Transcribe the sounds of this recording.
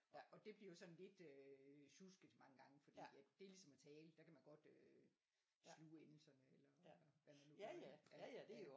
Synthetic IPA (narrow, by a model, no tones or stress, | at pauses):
ʔɒ̽ʔɒ̽d̥e̝b̥liɐjo̝sɒ̽n̩le̝d̥øɕusɡ̥ð̩ˠmɑ̈ŋəɡ̥ɑ̈ŋəfɒ̽d̥ḭːjæd̥e̝ɐlisɒ̽mæt͡sʰɛːləd̥ækʰæmænɡ̥ɒ̽d̥ø | sluːenl̩sɐnəelɐʋæmænːuæd̥e